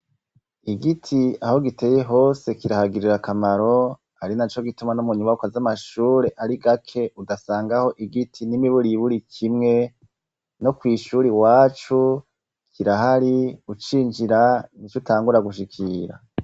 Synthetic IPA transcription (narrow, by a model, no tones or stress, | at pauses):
iɡitʰiaho̞ɡite̞je̞ɦo̞ːse̞kiɾahaɡiɾiɾakamaɾo̞ | aɾinat͡ʃo̞ɡitumanumuɲuβaukazamaʃuːɾe̞ʔaɾiɡakʰe̞ʔudasaːŋɡaho̞ʔiɡitʰinimiβuɾiβuɾikʰimŋe̞ | no̞kwiːʃuːɾiwaːt͡ʃu | kʰiɾaɦaɾiut͡ʃiːnd͡ʒiɾanit͡ʃutʰaːŋɡuɾaɡuʃ̬ikʰiɾa̰